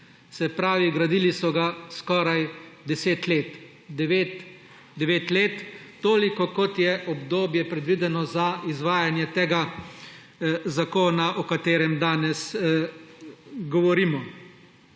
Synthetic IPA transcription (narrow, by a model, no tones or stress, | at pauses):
sɛpɾaːʋiɡɾad̪ilisɔɡaskɔːɾajd̪ɛseːt̪leːt̪ | d̪ɛʋeːt̪ | d̪ɛʋeːt̪leːt̪ːoːlikɔkɔt̪jɛʔɔbd̪oːbjɛpɾɛd̪ʋid̪ɛnɔzaizʋaːjanjɛt̪eːɡa | zakoːnaʔɔkat̪eːɾɛmd̪aːnɛs | ɡɔʋɔɾimɔ